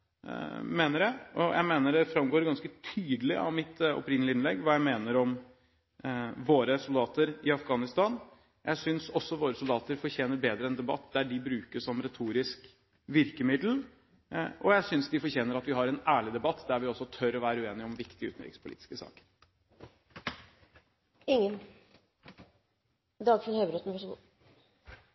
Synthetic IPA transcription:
meːnəɾæʔɔ̰jʔæ̰ɪmeːnəɖɛfɾɑmɡoːɾɡɑnskət̪ʰyːd̪əlɪʔɑ̰ʋmɪt̪ɔ̰pɾɪnlɪɪnlɛɡːʋɑːjæɪmeːnəɾɔm | ʋoːɾəsʊld̪ɑːt̪əɾɪɑfɡɑːnɪst̪ɑn | jæ̰ɪsʏnsɔsːɔʋoːɾəsʊld̪ɑːt̪əɾfɔɾçeːnəɾbeːd̪ɾəɛnd̪ɛbɑ̰t̪ːd̪æɖɪbɾʉːkəʂɔmɾɛt̪ʰuːɾɪsk | ʋɪɾkəmɪd̪l̩ | ʔɔjæɪsʏnsd̪ɪfɔɾçeːnəɾɑt̪ʋɪhɑɾɛnæːɭɪd̪ɛbɑt̪ʰːd̪æɾʋɪɔsːɔt̪ʰœɾɔʋæːɾəʉeːnɪɔmʋɪkt̪ɪʉ̰ːt̪n̩ɾɪ̰kspʰʊlḭt̪ɪ̥skəsɑ̰ːkə̥ɾ | ɪŋːən | d̪ɑːɡfɪnhœːbɾɔt̪n̩bɑʂɡ

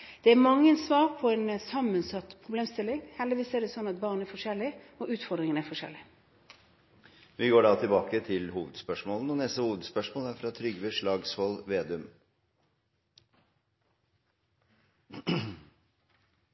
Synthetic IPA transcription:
d̪̥ɛæmɑŋːəɛnsʋɑːɾpʰɔɛnsɑmːənsɑt̪ːpʰʁʊbleːmst̪ɪlːɪŋhɛld̪ɪʋiːsəæɖɛsɔnɑt̪̚bɑːʁnɛɾfɔʂɛlːɪ | ɔʔʉːt̪fɔɾd̪ɾɪŋənæɾfɔʂɛ̰lɪ | ʋɪɡoːɖɑt̪ʰɪlbɑːkət̪ʰɪlhuːʋəd̪spœʂmoːln̩ɔnɛst̪əhuːʋəd̪spœʂmoːlæɾfɾɑt̪ʰɾʏɡʋeʂɭɑːɡshɔlʋeːd̪ʉm

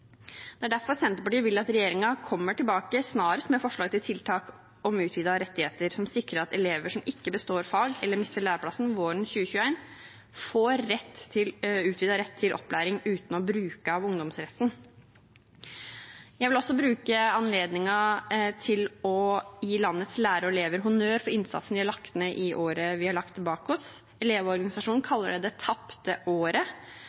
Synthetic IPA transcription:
d̪̥ɛæɖæɾfɔɾsɛnt̪əpɑʈiːʋɪlːɑt̪ɾɛjeːɾɪŋɑkʰɔmːəʈɪlbɑːkəsnɑːɾəst̪mɛfɔʂɭlɑːɡt̪ɪlt̪ʰɪlt̪ʰɑːk | ɔmʉːt̪ʰʋiːd̪ɑɾɛt̪ːɪheːt̪əɾsɔmsɪkɾəɾɑt̪ɛleːʋəʂɔmɪkːəbəst̪oːɾfɑlɡɛlːəɾmɪst̪əɭæːɾəpʰlɑsn̩ʋoːɾənçʉːəçʉːæɪn | foːɾɛt̪ʰːɪlʉːt̪ʋiːd̪ɑɾɛt̪ʰːɪlʔɔ̰pːlæːɾɪŋʉːt̪n̩ɔbɾʉːkəɑʋʊŋd̪ɔmsɾɛt̪ːn̩ | jæɪʋɪlɔsːɔbɾʉːkəɑnleːd̪nɪŋɑt̪ʰɪlɔjiːlɑnːət̪slæːɾəɔɛleːʋəɾɦʊnøːɾfɔɾɪnsɑ̰t̪sən̩ʋɪhɑɭɑkt̪ənəʔɪʔoːɾəʋɪhɑɭɑk̚t̪ʰːɪlbɑːkɔs | ɛleːʋɔɾɡɑnɪsɑʂuːnn̩kʰɑlːə̰ɖɛd̪ɛt̪ʰɑpt̪əʔoːɾə

